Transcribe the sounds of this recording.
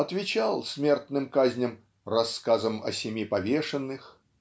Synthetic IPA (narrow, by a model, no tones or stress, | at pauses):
ɐt̪vʲɪt͡ɕalˠsʲmʲe̞rt̪nɨmkazʲnʲəm | rɐskazəmɐ̰sʲɪmʲipɐvʲeʂɨnːɨx